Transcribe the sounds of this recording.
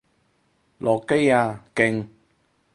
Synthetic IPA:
lʔɔː˨kːe˥jaː˧kɪ˧ŋ

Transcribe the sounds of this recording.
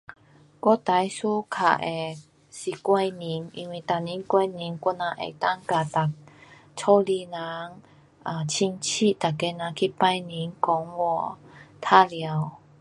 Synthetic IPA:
kwɔ˦t̪a˨˦jsu˦kʰa̰˨˩ʔe˨˩ | si˨˩kwa˧jni˨˦ŋḭ˧nwi˧˨˩t̪a˨ni˨˦nkwa˧jni˨˦ŋkɔ˧nã˧˦ʔḛ˨˩t̪a˦ŋka˨t̪a˨˩k̚ | t͡sʰɔ˦li˧na˨˦ŋ | a˨t͡ɕʰi˧ŋt͡ɕʰi˥˧˨t̪a˨˩kːe˧˦nã˨˦kʰi˦pa˧˦jni˨˦ŋkɔ˨˦ŋwɔ˧˩t̪ʰa˦lja˨˦w

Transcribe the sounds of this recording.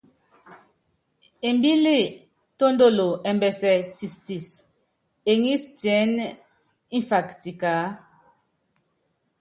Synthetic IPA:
e˨mbi˦le˦˨ | to˦ndo˦˨lo˨ɛ˨mbɛ˨sɛ˨si˨sti˨s | e˨ŋi˦stjɛ˨˦n | i˦nfa˨kti˨ka˨˦

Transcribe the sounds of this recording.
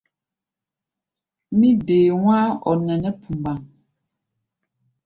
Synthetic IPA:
mi˦deː˨ŋwa˦ɔ˨nɛ˨nɛ˦pʰu˨mba˨ŋ

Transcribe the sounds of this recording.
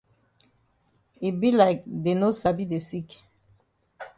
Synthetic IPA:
i˨bi˦la˨de˨no˦sa˨bi˦d̪e˨si˦k

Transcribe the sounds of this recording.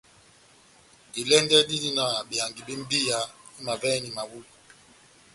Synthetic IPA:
di˨lɛ˦ndɛ˦di˦di˦na˨bi˨ja˨ŋɡi˨bi˦m̩˦bi˦ja˦i˦ma˨vɛ˦ni˨ma˨wu˦li˨

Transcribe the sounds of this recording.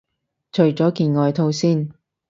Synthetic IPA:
t͡ʃʰɵ˨˩ɥt͡sɔː˨˥kiː˧nŋɔː˨˧jt̪ʰo˧wsiː˥˩n

